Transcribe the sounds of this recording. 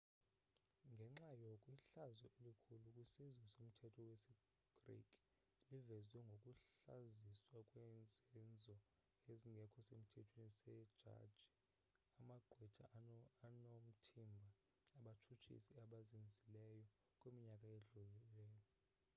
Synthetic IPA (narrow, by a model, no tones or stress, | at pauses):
ŋɡʱɛŋ͡ǁajokʼwiɬazɔelikʰulukʼwisizwɛsom̩tʰɛtʰɔwesi | ɡ̥rḭkʼ | livɛzwɛŋɡʱokʼuɬaziswakʼwɛnd͡zʱɛnd͡zʱɔ | eziŋɡʱɛkʰɔsemitʰɛtʰwenisɛ̥ʒ̥ʱa̰dd͡ʒ̥i | amaɡ͡ǃʱwɛ̥t͡ʃʼanom̩tʰimbʱaː | ɓatʰut͡ʃʰḭsiaɓazind͡zʱilɛjɔ | kʼwemiɲakʼaeɮulilɛːjɔɔ